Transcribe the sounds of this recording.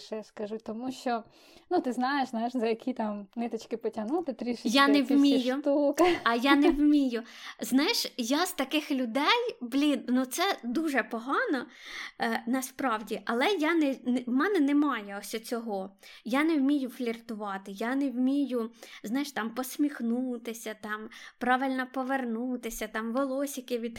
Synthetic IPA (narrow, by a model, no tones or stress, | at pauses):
ʃɛskɐʒut̪ɔmuʃt͡ʃɔ | nut̪ɪznɑjeʃznajɪʃzɐjɐkʲit̪ɑmnɪt̪ɔt͡ʃkɪpɔtʲɐnut̪ɪt̪ɾʲiʃɪjanɛwmʲijʊt̪ukɐjanɛwmʲijʊznɑjɪʃjaz̥t̪ɐkɪxlʲʊd̪ɛjblʲinnut̪sɛd̪uʒɛpɔɦɑnɔ | nɐspɾɑwdʲiʔɐlˠɛjanɛnmɛnɛnɛmɑjɛɔsʲɔt͡sʲɔɦɔjanɛwmʲijʊflʲirt̪ʊʋɑt̪ɪjanɛwmʲijʊznɑjɪʃt̪ɑmpɔsʲmʲixnut̪ɪsʲɐt̪ɑmpɾɑʋɪlʲnɐpɔʋernut̪ɪsʲɐt̪ɑmʋɔlˠɔsʲikɪʋʲid̪